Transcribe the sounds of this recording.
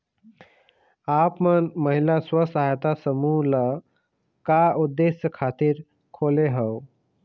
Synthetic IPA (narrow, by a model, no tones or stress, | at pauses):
apmənməɦilaswəsaɦjt̪asəmula | kaud̪ːesjəkʰat̪iːɾ | kʰoleɦəw